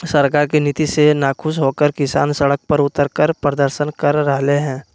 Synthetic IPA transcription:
səɾkaːɾkenit̪isenaːkʰʊʃɦoːkəɾkɪsa̰ːnsəɽək̚pɐɾʊt̪əɾkəɾpɾəd̪əɾʃənkəɾːəɦleɦɛ̃ː

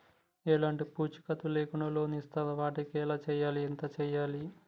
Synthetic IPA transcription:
ɛːlaːɳʈipuːt͡ʃi̥kɐt̪uleːkuɳɐlo̞ːnist̪ɐlɐʋaːʈikɛːlaːt͡ʃɛːjaːliɛnt̪ɐt͡ʃɛːjaːli

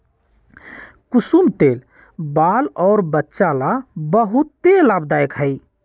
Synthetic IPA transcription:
kusumt̪el | balɔʊɾbətːʃalabəɦut̪ːelabd̪ajkɦəj

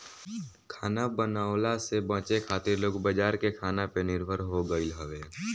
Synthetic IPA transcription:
kʰaːnabənaːʊlasebãːt͡ʃekʰaːt̪ɪɾloːɡbəd͡ʒaːɾkekʰaːnapenɪɾbʱəɾɦoɡəɪlɦəʋeː

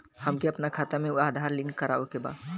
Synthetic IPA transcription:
həmkeəpnakʰat̪ameuad̪ʱaɾlinkəɾaʋekeba̰

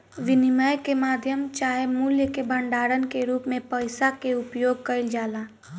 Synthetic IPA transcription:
ʋɪnɪməjkemaːd̪ʱjəmt͡ʃaːɦemuːljəkebʱə̃ɳɖaːɾənkeɾuːpmẽpəɪsakeʊpjoːɡ̚kəɪld͡ʒaːlaː

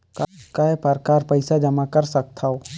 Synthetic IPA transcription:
kakaɦepəɾkaːɾpəɪsad͡ʒɐmakɐɾsɐk̚t̪ʰao

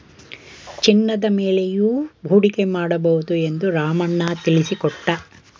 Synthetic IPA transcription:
t͡ʃinːɐd̪ɐmeːle̞juːbʱuːɽike̞maːɽɐbɐɦud̪ue̞nd̪uɾaːmɐnːɐt̪ilisikɔʈːɐ

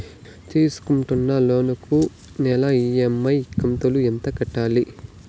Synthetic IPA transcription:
t̪iːsu̥kuɳʈunːɐloːnɐku | nɛlɐijemːɐjkːɐmt̪ɐluɛnt̪ɐkɐʈːaːli

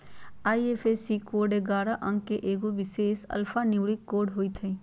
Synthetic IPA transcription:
aːiefʰesikoːɖeɡaːɾaʔə̃ŋɡkeʔeːɡoʋɪseːsɐ̰lfʰanɪʋɭikːoːɖɦoːit̪ʰẽː

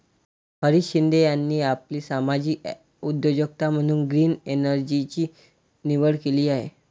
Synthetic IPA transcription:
pəɾiɕind̪ʱejanːiːapliːsamad͡ʑiː | ud̪jod͡ʑoɡt̪am̤əɽ̃uːnɡɾiːnenəɾd͡ʑit͡ɕiː | niʋəɽkeliːaɦḛ

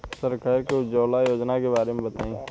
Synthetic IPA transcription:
səɾkaːɾked͡ʒoːlajoːd͡ʒnakebaːɾemẽbət̪aːĩː

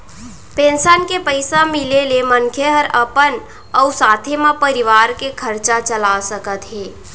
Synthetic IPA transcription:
pẽːnsənkepəɪsamɪleleməŋkʰeɦəɾəpən | ɔʊsaːt̪ʰemãpəɾɪʋaːɾkekʰəɾt͡ʃat͡ʃəlasəkət̪ɦɛː

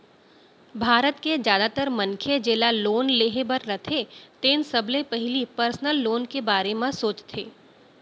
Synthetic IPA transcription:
bʱaːɾət̪ked͡ʒjaːd̪at̪əɾmɐ̃nkʰed͡ʒeːlaloːnleːɦebəɾːɐt̪ʰet̪eːnsɐblẽpɐɦɪlipəɾsnəlːoːnkebaːɾemãsoːt͡ʃt̪ʰḛː

